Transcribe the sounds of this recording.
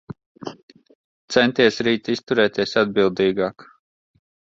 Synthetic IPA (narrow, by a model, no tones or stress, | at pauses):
t̪sɛnt̪iɛsɾiːt̪ist̪uɾɛːt̪iɛsad̪̚bilˠd̪iːɡaːk